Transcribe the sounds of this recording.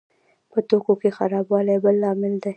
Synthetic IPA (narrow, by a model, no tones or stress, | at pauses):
pət̪okokexaɾɑbwɑlabəlːɑmɪld̪aj